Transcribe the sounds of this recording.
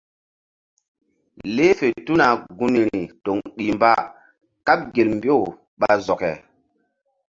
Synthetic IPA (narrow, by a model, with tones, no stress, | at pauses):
le˦fe˨tu˦na˨ɡu˦ni˨ɾi˨to˨ŋɗi˨mba˦ | ka˦p̚ɡe˨lmbi˦o˦˨ | ɓa˦zɔ˨kɛ˨